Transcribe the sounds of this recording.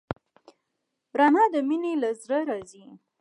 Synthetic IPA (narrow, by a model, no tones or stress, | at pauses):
ɾɑnɑd̪əminelazɾəɾɑzi